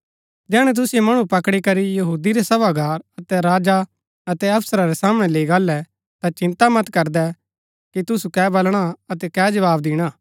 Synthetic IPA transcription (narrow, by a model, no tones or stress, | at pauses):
d͡ʒɛːɽ̃ɛ̃t̪̬ʊsɪjomɐɽ̃ũpɐkɽikɐɾijɐɦuːd̪iɾɛsɐʋaɡaːɾɐt̪ɛɾaːd͡ʒa | ɐt̪ɛɐpʰsəɾaɾesaːməɽ̃ɛleiɡaːlːɛ | t̪at͡ʃɪ̃nt̪amɐt̪kɐɾd̪ɛ | kit̪ʊsukɛːbɐlɽ̃aɐt̪ɛkɛːd͡ʒɐʋaːbd̪ɪːɽ̃aː